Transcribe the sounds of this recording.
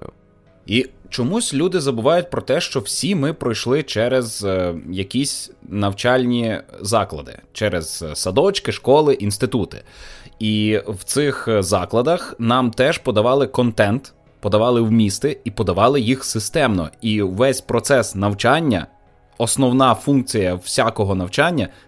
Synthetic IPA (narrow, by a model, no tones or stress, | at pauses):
it͡ʃɔmusʲlʲud̪ɪzɐbʊʋɑjʊt̚ʲpɾɔt̪ɛʃt͡ʃɔwsʲimɪpɾɔjʃlˠɪt͡ʃɛɾezjɐkʲisʲnɐwt͡ʃɑlʲnʲizɑklˠɐ̰d̪ɪ̰t͡ʃɛɾez̥sɐd̪ɔt͡ʃkɪʃkɔlˠɪʔinst̪ɪt̪ut̪ɪ̥̰iwt̪sɪxzɑklˠɐd̪ɐxnɑmt̪ɛʒ̥pɔd̪ɐʋɑlˠɪkɔnt̪ɛnt̪ | pɔd̪ɐʋɑlˠɪwmʲist̪ɪipɔd̪ɐʋɑlˠɪjixsɪst̪ɛmnɔ̰iʋɛsʲpɾɔt̪sɛsnɐwt͡ʃɑnʲːɐ̰ | ɔsnɔwnɑfunk̚t͡sʲijɐwsʲakɔɦɔnɐwt͡ʃɑnʲːɐ